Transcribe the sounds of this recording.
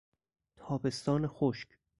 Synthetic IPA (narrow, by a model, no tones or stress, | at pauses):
t̪ʰɒːbe̞st̪ɒːnexoʃc